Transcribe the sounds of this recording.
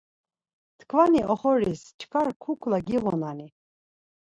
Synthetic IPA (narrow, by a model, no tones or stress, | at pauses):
t̪kʰvaniʔɔχɔɾist͡ʃʰkʰaɾkʰukʰlaɡiʁɔnani